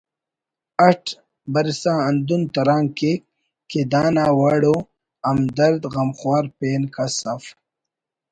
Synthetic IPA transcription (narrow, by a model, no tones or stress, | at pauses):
ɐʈʰ | bɐɾsãɐnd̪unt̪ɐɾaːŋke | ked̪aːnaːwaːɽo | ɐmd̪ɐɾd̪ɣɐmχwaːɾpeːnkasaf